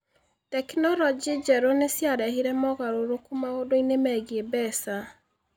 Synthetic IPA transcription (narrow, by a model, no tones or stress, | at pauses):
tɛkinɔlɔd͡ʒid͡ʒɛɾonesjaɾɛhiɾɛmɔɣaɾoɾokumaodoinemɛɣiebɛsa